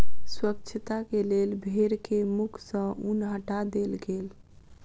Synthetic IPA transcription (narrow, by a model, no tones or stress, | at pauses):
swəkt͡ʃʰət̪akelelbʱeɾkemukʰsə̃unɦəʈad̪elɡel